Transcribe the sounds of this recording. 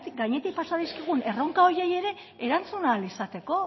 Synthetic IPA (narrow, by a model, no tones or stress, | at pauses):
t̪ik̚ɡaɲe̞t̪ik̚pasaðiskiɣ̞une̞ro̞ŋkao̞ɾje̞je̞ɾe̞ | eɾant͡sunalisat̪e̞ko̞